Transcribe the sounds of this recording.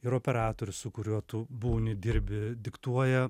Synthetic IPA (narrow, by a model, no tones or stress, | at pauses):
ɪɾoːpʲɛɾɑːt̪oːɾʲʊssʊkʊɾʲuɔt̪uːbuːnʲɪd̪ʲɪɾʲbʲɪd̪ʲɪkt̪uɔjɛ